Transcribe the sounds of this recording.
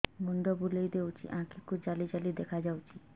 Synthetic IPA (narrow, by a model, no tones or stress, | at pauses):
mund̪ɔbulejd̪ewt͡ʃʰḭʔãkikud͡ʒalid͡ʒalid̪ɛkʰad͡ʒawt͡ʃʰi